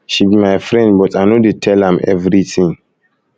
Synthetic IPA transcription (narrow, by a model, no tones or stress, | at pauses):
ʃibimajfɹɛ̃ndbɔtanodetʰɛlãmɛ̰vɹiθĩŋ